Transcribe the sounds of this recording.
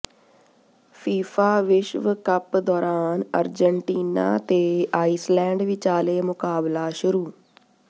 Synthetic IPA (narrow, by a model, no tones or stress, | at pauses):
fʰiːfʰaːʋɪʃʋkəpd̪ɔːɾaːnəɾd͡ʒəɳʈiːna̰ːt̪eːaːiːslɛ̃ːɳɖʋɪt͡ʃaːleːmʊkaːblaːʃʊɾuː